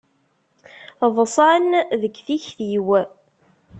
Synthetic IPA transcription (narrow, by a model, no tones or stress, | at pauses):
ðˤsˤɑnðəkːθiçθiw